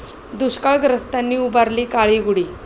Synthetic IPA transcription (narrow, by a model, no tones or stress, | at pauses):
d̪uɕkaɭɡɾəst̪anːiːubaɾliːkaɭiːɡuɽiː